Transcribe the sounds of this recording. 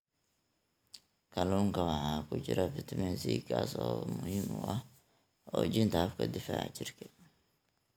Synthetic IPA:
kʰɐluːŋkʰɐwɑħɑːkʰʊt͡ʃɪɾɐfɪt̪ʰɐmɛnsiːkʰaːsɔːmʊhiːmʊʔɐh | ʔɔːt͡ʃɪnt̪ʰɐɐfkʰɐ̰d̪ɪfaːʕt͡ʃɪrkʰɛ

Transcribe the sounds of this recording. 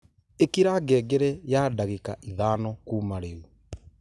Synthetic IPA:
ekiɾaɡɛːɡeɾɛjaːdaɣekaʔiðaːnɔkuːmaɾemu

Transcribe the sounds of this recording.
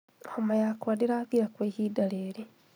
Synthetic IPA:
xomajakwadiɾaɡiɾakweːçidaleːɾi

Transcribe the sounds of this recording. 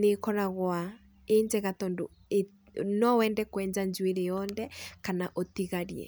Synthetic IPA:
nekɔɾaɣwa | eɲd͡ʑɛɣatɔndo | e | nɔwɛːndɛkwɛːɲd͡ʒaɲd͡ʑweɾejɔnðɛkanaʔotiɣaɾiɛ̰

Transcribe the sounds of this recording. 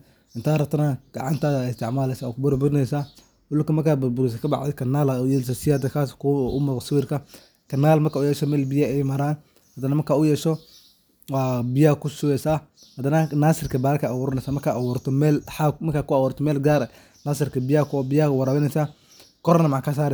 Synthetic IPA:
ʔɪnt̪ʰaːɾɐb̚t̪ʰɐnɐɡ̥ɑ̰ʕɑnt̪ʰaːɪst̪ʰɛʕmaːlɛjsaːwɔkʊbʊɾbʊɾɪnɛjsaː | wʊlʊkɐmɐrkʰaːbʊɾbʊɾɛs̬ɐkʰɐbɑ̰ʕd̪ɛkʰɐnːaːlaʊjɛːlɪs̬asɪjaːd̪ɐkʰaːskʊʊmɔʁsɪwiːrkʰɐ | kʰɐnːaːlmɐrkʰaːʊjɛːʃɔmɛːlbɪjaɛjmɐɾaːn | hɐd̪ɐnɐmɐrkʰaːʊjɛːʃɔ | wɑːbɪjakʰʊsʊwɛsaː | hɐd̪ɐnɐnaːsɪrkʰɐbaːɾkʰɐʔawɔɾnɛsaːmɐrkʰaːʔawɔːɾt̪ʰɔmɛːlħamɐrkʰaːkʊawɔːɾt̪ʰɔmɛːlɡaːɾɛ | naːsɪrkʰɐbɪjakʰʊbɪjawɐɾaːβɪnɛsaː | kʰɔɾnɐmaʕkʰas̬aːɾɛ

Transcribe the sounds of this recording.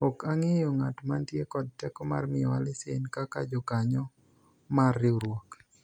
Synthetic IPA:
ɔkaŋejɔŋatmantjekɔd̚tɛkɔma̰rmɪɔalɪsḛnkaka̰d͡ʒɔkaɲɔ | marːɪuɾwɔk

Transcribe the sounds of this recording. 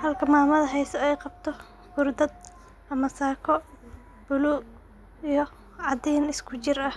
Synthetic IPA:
hɐlkʰɐmaːmɐðɐɦɛjsɐɛjqɑb̚t̪ʰɔ | ɡʊrd̪ɐd̪̚ | ʔɐmɐsaːkʰɔ | b̥ʊluː | ijɔ | ʕɑd̪ɛjnɪskʰʊt͡ʃɪrɐh

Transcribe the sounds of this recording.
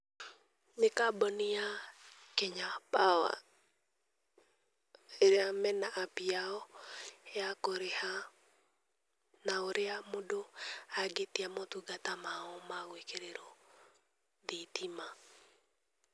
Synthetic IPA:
nekabɔnia | kɛɲapawa̰ | eɾeamɛnaʔːpiaɔ | ɛakoɾeha | naoɾeamodoaɡetiamɔtuɡatamaɔmaɣwekeɾeɾɔ | ðitʰima

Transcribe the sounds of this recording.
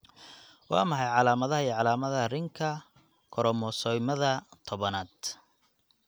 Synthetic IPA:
wɑ̰ːmɐħɑjʕɑlaːmɐðɐɦɐijʕɑlaːmɐðɐɐrɪŋkʰɐ | kʰɔɾɔmɔsɔjmɐðɐt̪ʰɔβɐnaːd̪

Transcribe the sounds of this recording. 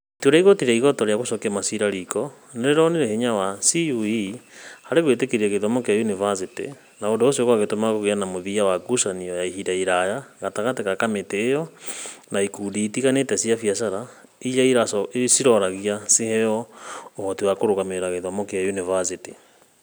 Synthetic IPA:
ttoɾaiɣɔtiɾaiɣɔtɔɾeaɣoʃɔkamasiɾaɾikɔ | neɾeɾɔneɾeheɲawasiuihaɾeɣwetekeɾiɛɣeðɔmɔkeajunivasetḛ | naondoos̬oɣwaɣetomaɣoɣeanamoðiawaɡusaniɔjaihiɾaiɾajaɣataɣatekakameteːjɔnaikuːdiːtiɣanetɛsiafiasaɾa | ijaiɾassiɾɔɾaɣiasehɛjɔohɔtiwakoɾoɣameɾaɣeðɔmɔkeajunivazete

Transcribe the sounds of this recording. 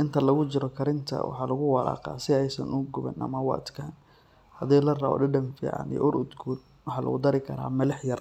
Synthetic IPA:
ʔɪnt̪ʰɐlɐɣʊt͡ʃɪɾɔkʰɐɾɪnt̪ʰɐ̰wɑ̰ħɑːlɐɣʊwɑlɑ̰ːqɑ̰ːsɪɛjsɐ̰nʊɡʊβɛ̰nʔɐ̰mɐwɑ̰t̪kʰan | hɐðɛːlɐrɐɔ̰ɖɪɖɐmfḭːʕɑ̰nḭj̰ʔʊɾʊd̪ɡuːl | wɑħɑlʔɐ̰ɣʊd̪ɐɾɪkʰɐɾa̰ːmɐlɐħjɐr

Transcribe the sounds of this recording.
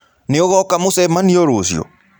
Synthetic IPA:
nɪɔɣɔkamosɛmaniɔɾosjɔ̰

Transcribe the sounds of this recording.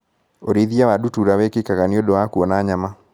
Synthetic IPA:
oɾiðjawadutuɾawɛkekaɣaniodowakuɔnaːɲama

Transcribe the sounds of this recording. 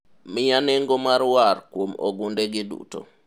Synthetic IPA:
mɪjaneŋɡomaɾwarkwomo̰ɡundeɡɪdṵto̰

